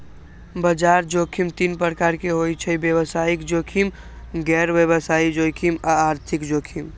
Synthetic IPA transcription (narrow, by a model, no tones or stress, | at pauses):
bəd͡ʒaɾd͡ʒokʰimt̪inpəɾkaɾkeɦojt͡ʃʰəibjəwəsaikd͡ʒokʰim | ɡɛɾʋəbəsaid͡ʒokʰimaaɾt̪ʰikd͡ʒokʰim